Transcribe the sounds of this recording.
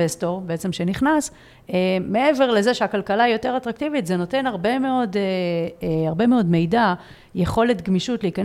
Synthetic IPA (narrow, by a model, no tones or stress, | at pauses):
esto̞ʁbeet͡se̞mʃeniχnas | me̞ʔe̞ve̞ʁle̞zeʃeakalkalaijo̞te̞ʁatʁaktivitzeno̞te̞naʁbe̞me̞o̞de | aʁbe̞meo̞dme̞jda | jeχo̞le̞tɡmiʃutleikan